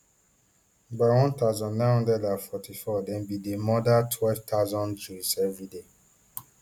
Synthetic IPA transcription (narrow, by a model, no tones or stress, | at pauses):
bawɔ̃ntaʊzɔ̃nːãnhɔ̃ndɛdafɔtʰifɔdɛ̃nbidemɔdatʰwɛlvtʰaʊzɔ̃nd͡ʒusɛvɹide